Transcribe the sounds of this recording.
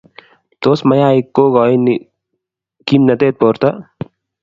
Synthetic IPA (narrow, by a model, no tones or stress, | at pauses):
t̪oːsmɐjaːikːoɡɔːin | kimnɐt̪eːt̪̚poːɾt̪ɐ